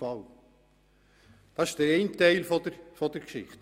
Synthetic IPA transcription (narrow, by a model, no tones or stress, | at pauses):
ɑl | d̥ɑɪʃsd̥əɾeɪntɛɪlfɔdəɾfɔd̥əɾkʃɪ̰χt